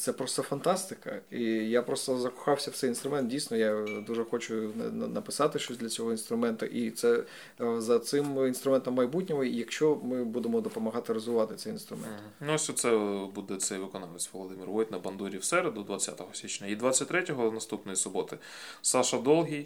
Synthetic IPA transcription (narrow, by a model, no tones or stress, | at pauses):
t̪ɛpɾɔst̪ɔfɐnt̪ɑst̪ɪkɐijapɾɔst̪ɔzɐkɔ̥xɑwsʲɐwt̪sɛjinst̪ɾʊmɛnt̪̚dʲijsʲnɔjad̪uʒɛxɔt͡ʃʊnɐnɐpɪ̥sɑt̪ɪʃt͡ʃɔsʲd̪ʲlʲɐt͡sʲɔɦɔinst̪ɾʊmɛnt̪ʊʔit̪sɛ | zɐt̪sɪminst̪ɾʊmɛnt̪ɐmːɐjbutʲnʲɔmɔijɐkʃt͡ʃɔmɪbud̪emɔd̪ɔpɔmɐɦɑt̪ɪɾɔzʊʋɑt̪ɪt̪sɛjinst̪ɾʊmɛ̰nt̪ | nuɔsʲɔt̪sɛbud̪ɛt̪sɛjʋɪkɔnɑlˠet͡sʲʋɔlˠɔd̪ɪmʲirʋɔt̪ʲnɐbɐnd̪uɾʲiwsɛɾed̪ʊd̪ʋɐt͡sʲːa̰t̪ɔɦɔsʲit͡ʃnʲɐid̪ʋat͡sʲːɐtʲt̪ɾɛtʲɔɦɔnɐst̪upnɔjisʊbɔt̪ɪ | sɑʃɐd̪ɔlˠɦʲij